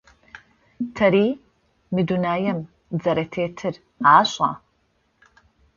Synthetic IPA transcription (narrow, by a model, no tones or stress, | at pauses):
tʰɐɾiː | mɨdunaːjɐm | d͡zɐɾetʰeːtʰɨr | aːɕʼa̰ː